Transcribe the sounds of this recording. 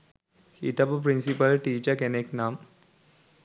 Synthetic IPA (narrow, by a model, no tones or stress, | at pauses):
hiʈɐppɾinsipɐlʈiːt͡ʃɐkeneknaːm